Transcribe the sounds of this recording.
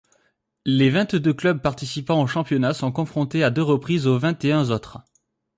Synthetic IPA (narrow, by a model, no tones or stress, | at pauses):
levɛ̃t̪d̪øklœb̚paʁt̪isipɑ̃oʃɑ̃pjɔnasɔ̃kɔ̃fχɔ̃t̪ead̪øʁəpχizovɛ̃t̪eɛ̃zot̪χ